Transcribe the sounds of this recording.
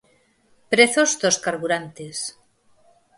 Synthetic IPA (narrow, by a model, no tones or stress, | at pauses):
pɾeθozd̪oskaɾβuɾant̪es